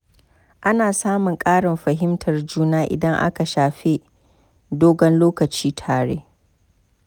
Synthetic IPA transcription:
ʔa˦naː˨saː˦mʊ˨ŋkʼaː˦ɽɪ˨mɸɐ˨ɦɪ˦mtʰɐ˨rd͡ʒuː˦naː˦ʔɪ̰˨dɐ˦ŋʔa̰˦ka˨ʃaː˨ɸe˦ | doː˦ɡɐ˦nloː˦kɐ˨t͡ʃiː˦tʰaː˨ɽḛː˦

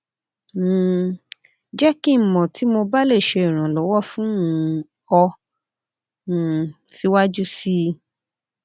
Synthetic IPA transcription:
d͡ʒɛ˦ki˦˨mɔ̃˨tʰi˨˦mo˧ba˦le˦˨ʃe˧i˨ɾ̃ã˨lɔ˨˦wɔ˦fũ˦ũ˧˦ | ɔ˧˨ | si˨˦wa˦d͡ʒu˦si˦

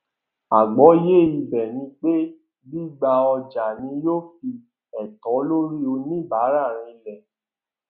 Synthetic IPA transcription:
a˨ɡ͡bɔ˨˦je˦˨i˧bɛ˨nĩ˧˦k͡pe˦ | bi˦ɡ͡ba˧ɔ˧d͡ʒa˨nĩ˨˧˦jo˦fi˧ | ɛ˨tɔ˨˦lo˦ɾi˦o˧nĩ˦˨ba˨˦ɾa˦˨ɾ̃ĩ˧lɛ˨

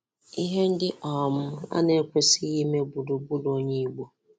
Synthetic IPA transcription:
i˦ɦe˦n̩˦dɪ˦ʔɔ˨m̩˦a̰˦ne˦kʷe˦si˦ɣi˦me˦bu˨do˨bu˦do˦ɲe˦i˨ɡ͡bo˦

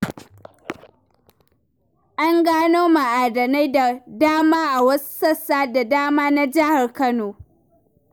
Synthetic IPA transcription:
ʔa˦ŋɡaː˦noː˦ma˨ʔaː˨dɐ˨na˦jda˨daː˦maː˦ʔa˨wɐ˦su̥˦sɐ˦sːaː˦da˨daː˦maː˦na˦d͡ʒɐ˦ha˨rkɐ˦noː˨

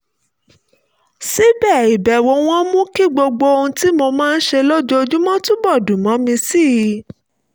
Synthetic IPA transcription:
si˦bɛ˦˨i˨bɛ˨wo˨˧˦w̃ɔ̃˦mũ˦ki˦˨ɡ͡bo˧ɡ͡bo˧o˧ũ˧ti˦mo˧mãː˦˧n̩˦ʃe˧lo˦d͡ʒo˦o˧d͡ʒũ˦mɔ̃˦tũ˦bɔ˦˨dũ˨mɔ̃˨˦mĩ˧si˦˨˧

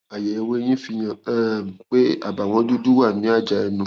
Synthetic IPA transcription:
a˨je˨˦˧we˦j̃ĩ˦fi˧j̃ã˧˨ɛ˦˨k͡pe˦a̰˦˨ba˨w̃ɔ̃˧˦du˦du˦wa˦˨mĩ˨˦a˦˨d͡ʒa˧e˧nũ˦

